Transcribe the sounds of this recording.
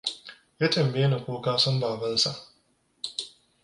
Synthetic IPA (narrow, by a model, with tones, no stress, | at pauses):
jaː˦tɐ˨mbeː˦na˨kʷoː˦kaː˦sɔ˦mbaː˨bɐ˦nsa˦˨ʔ